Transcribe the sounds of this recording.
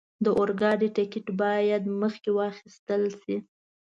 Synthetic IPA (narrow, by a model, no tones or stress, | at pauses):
d̪əʔoɾɡɑɖiʈɪkɪʈbɑjad̪məxkewɑxist̪əlsi